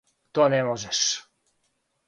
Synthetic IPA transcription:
t̪onɛmoʒɛʃ

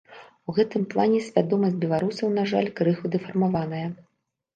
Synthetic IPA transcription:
uɣɛt̪ɨmplˠanʲɛsʲvʲad̪ɔmɐsʲtʲbʲɛlˠaɾusɐwnaʐalʲkɾɨxud̪ɨfɐrmavanɐjɐ

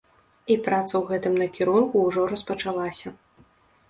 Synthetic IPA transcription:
ipɾat̪sɐwɣɛt̪ɨmnɐkʲiɾunkuːʐɔɾɐspɐt͡ʂalˠasʲɐ

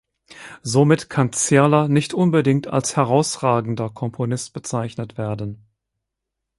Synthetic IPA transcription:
zomɪtkʰant͡sɛɐlɐnɪçtʔʊnbədɪŋkta̰lshɛʁaʊsʁaːɡŋ̩dɐkʰɔmpʰonɪst̚b̥ət͡saɪçnətv̥eːɐdn̩

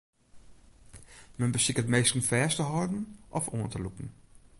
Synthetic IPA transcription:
mənbəsɪkətmejstən̩fɛːstəɦɔɹdn̩ʔɔfo̰əntəlupən̩

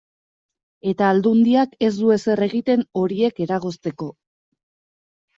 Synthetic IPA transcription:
e̞t̪aːld̪und̪iake̞zd̪ue̞se̞re̞ɣit̪e̞no̞ɾie̞ke̞ɾaɣ̞o̞st̪e̞ko̞

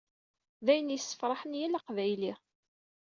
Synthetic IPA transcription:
ðæjənjəsːə̥fɾˤɑħənjælaqvæjli

